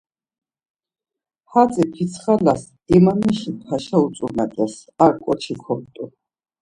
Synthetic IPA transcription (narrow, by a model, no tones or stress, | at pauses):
hat̪sʼɛpʰit̪sʰχalas | imaniʃipʰaʃaut̪sʼunat̪ʼɛs | aɾkʼɔt͡ʃʰikʰɔnt̪ʼu